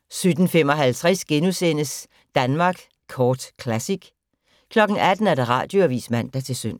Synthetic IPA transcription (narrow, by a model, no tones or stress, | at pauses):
sød̥n̩fem̰ɒ̽ɦælt͡sʰʁɛsɡ̥enusen̰əs | d̥ænmɑ̈ːɡ̥ | kʰɒːd̥kʰlæsiɡ̥ | kʰlɒ̽ɡ̥n̩æd̥n̩æɐd̥ɑ̈ʁɑ̰̈ːd̥jo̝æʋḭːsmæn̰d̥æt͡sʰe̝lsøn̰